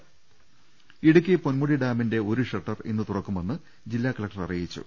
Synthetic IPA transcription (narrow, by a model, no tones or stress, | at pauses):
iɽuk̬ʲːiponmuɽiɖaːminde̞o̞ɾuʂɐʈːɐrenːɨt̪urɐkːumenːɨ | d͡ʑilːaːkːɐɭlɐk̚ʈɐrɐ̰rijit͡ɕːṵ